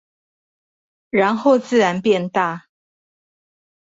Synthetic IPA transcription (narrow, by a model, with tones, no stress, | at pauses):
ɻa˧˦˥nxo˥˨ʊt͡sɹ̩˥˨ɻa˨˧˦npjɛ˥˧nt̪a˥˨